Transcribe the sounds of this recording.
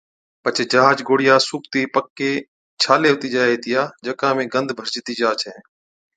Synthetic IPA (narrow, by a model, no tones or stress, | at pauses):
pət͡ʃʰeːd͡ʒəɦaːd͡ʒɡoːɽɪjaːsuːkt̪iːpəkːeː | t͡ʃʰaːleːʋt̪iːd͡ʒaːɦeːt̪ɪjaːd͡ʒəkãːmẽːɡənd̪ʱbʱəɾt͡ʃt̪iːd͡ʒaːt͡ʃʰɛ̃ː